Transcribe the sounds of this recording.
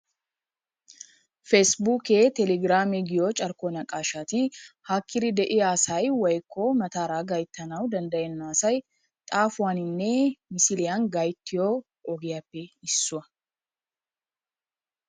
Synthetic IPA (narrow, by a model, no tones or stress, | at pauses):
fɛsbuːkeːt̪ɛlɛɡɾaːmɛɡɪjot͡ʃʼɐɾkoːnɐkʼaːʃat̪ɪhaːkːɪɾɪd̪ɛʔɪjaːsɐjwɐjkʰːoːmɐt̪aːɾaːɡɐjt̪ːɐnɐwd̪ɐnd̪ɐjɛnːaːsɐj | t̪ʼaːfʊwaːnɪnːɛmɪsɪlɪjanɡɐjt̪ːɪjoː | ʔɔɡɛjapːɛɪsːʊɐ